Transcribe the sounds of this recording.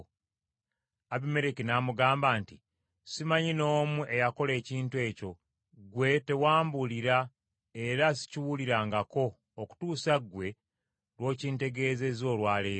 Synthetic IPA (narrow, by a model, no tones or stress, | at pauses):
aβime̞ɾekinamuɡaːmbaːnti | simaɲino̞ːmuʔe̞jako̞le̞ːciːntue̞ːco̞ | ɡwe̞te̞waːmbuliɾa | e̞ɾasi̥ciwuliɾaːŋɡako̞ː | ku̥tuːsaɡwe̞ | lwo̞ːciːnte̞ɡe̞ːze̞zo̞ːlwaːleː